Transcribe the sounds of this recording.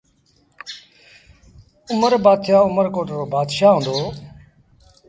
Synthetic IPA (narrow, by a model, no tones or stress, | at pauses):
ʊməɾbaːd̪ʰaːʊməɾkoːʈɾoːbaːd̪ʃaːɦõːnd̪oː